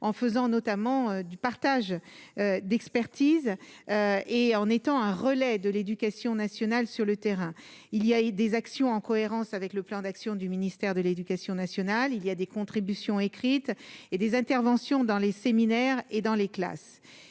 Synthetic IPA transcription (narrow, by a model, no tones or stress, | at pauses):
ɑ̃fəzɑ̃nɔt̪amɑ̃ød̪ypaʁt̪aʒød̪ɛkspɛʁt̪izøeɑ̃net̪ɑ̃ɛ̃ʁəlɛd̪əled̪ykʲasjɔ̃nasjɔnalsyʁlət̪eʁɛ̃ | ilijad̪ezaksjɔ̃ɑ̃kɔeʁɑ̃savɛkləplɑ̃d̪aksjɔ̃d̪yminist̪ɛʁd̪əled̪ykʲasjɔ̃nasjɔnalilijad̪ekɔ̃t̪χibysjɔ̃ekχit̪ed̪ezɛ̃t̪ɛʁvɑ̃sjɔ̃d̪ɑ̃leseminɛʁed̪ɑ̃lekla̰s